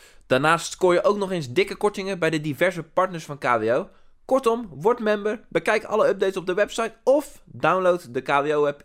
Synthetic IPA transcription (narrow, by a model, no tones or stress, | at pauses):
d̥aːɹnaːstkoːɹjəʔowknɔχejnzdɪkəkɔɹtɪŋəbɛjdədivɛɹzəpɑɹtnəɹsfɑnkaːveow | kɔɹtɔmʋɔɹtmɛmbəɹbəkɛjkɑ̰ləœb̚dejtsɔb̚dəʋɛpsɑjtɔfdawnlowtdəkaːveowʋɛp